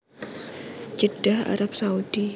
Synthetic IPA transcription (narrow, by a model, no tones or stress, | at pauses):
d͡ʒəd̥aha̰ɾap̚saud̥i